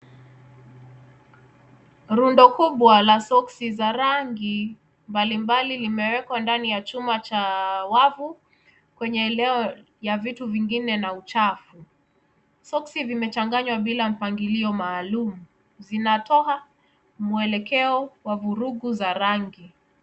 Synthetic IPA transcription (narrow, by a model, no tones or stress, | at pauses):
ɾundɔkuɓwalasɔksizaɾaŋɡi | mbalimbalilimɛwɛkwandanijat͡ʃumat͡ʃawavu | kwɛɲɛːlɛɔ | javituviŋɡinɛnaut͡ʃafu | sɔksivimɛt͡ʃaŋɡaɲwaɓilam̩paŋɡiliɔmaːlumu | zinatɔɦa | muɛlɛkɛɔwavuɾuɡuzaɾaŋɡi